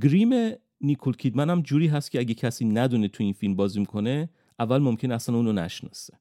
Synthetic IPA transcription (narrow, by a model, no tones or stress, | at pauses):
ɡɾiːme | nikʰolcʰiːd̪mænæmd͡ʒuːɾiːɦæst̪̚cʰeæɟecʰæsiːnæd̪uːnet̪ʰuinfilmbɒːzimikʰo̞ne | ʔævːælmomcʰʲe̞neæsænuːnonæ̰ʃnɒ̰ːse̥